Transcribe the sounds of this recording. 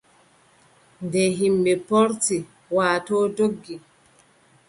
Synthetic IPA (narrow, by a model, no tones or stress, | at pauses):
ndɛɦimɓɛpɔɾti | waːtɔːdoɡːi